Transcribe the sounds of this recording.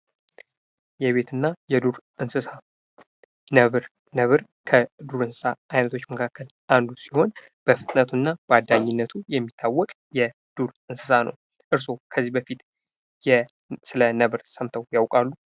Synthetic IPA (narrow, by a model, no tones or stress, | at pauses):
jɛβe̞t̪ʰɨnːajɛd̪uɾʔɨnsɨsa | nəβɨɾ | nəβɨɾ | kʰəd̪uɾɨnsɨ̥saʔajnət̪ʰot͡ʃːməkʰakʰːəl | ʔand̪usiho̞n | b̥əfɨt̪ʼnət̪ʰunːab̥əad̪ːaɲːɪnːət̪ʰujɛmːit̪ʰːawːɔkʼ | jɛ | d̪̥uɾʔɨnsɨsanə̰w | ʔɨɾs̬o̞kʰəzːihbəfit̪ | jɛ | sɨlənəβɾsəmt̪ʰəwjawkʼalːu